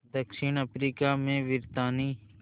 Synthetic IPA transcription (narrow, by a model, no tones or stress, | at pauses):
d̪əksiːnəpɾiːkaːmẽːʋɪɾt̪aːniː